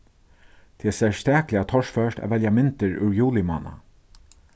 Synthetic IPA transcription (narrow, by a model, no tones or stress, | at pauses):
t̪ʰeːsɛst̪æːklɪat̪ʰɔʃfœʂtæ̰ʋɛljamɪnt̪əɹʉ̰ɹjuːlɪmɑ̰ːna̰